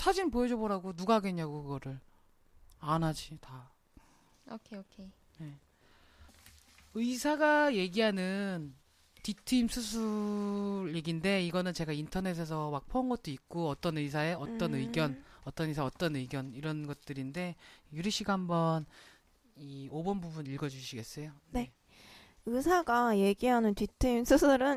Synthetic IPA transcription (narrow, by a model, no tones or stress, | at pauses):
sʰad͡ʑinpoʌd͡ʑoboɾaɡonuɡaɡeɲaɡokɯɡʌɾɯɭ | anɦad͡ʑita | okʰeokʰe | ne̞ | ɯisʰaɡaje̞ɡiɦanɯn | titʰɯimsʰusʰu | ɾeɡinde̞iɡʌnɯnt͡ɕe̞ɡaintʰʌne̞s̬ʰe̞s̬ʰʌmak̚pʰonɡʌt̚t͈oik̚k͈oʌt͈ʌnɯisʰae̞ʌt͈ʌnɯiɡjʌnʌt͈ʌnisʰaʌt͈ʌnɯɡjʌniɾʌnɡʌt̚t͈ɯɾinde̞juɾiɕʰiɡaɦhambʌn | iobʌnbubuniɭɡʌd͡ʑuɕʰiɡe̞s͈ʌjone̞ | ɯsʰaɡaje̞ɡiɦanɯntitʰɯimsʰusʰuɾɯn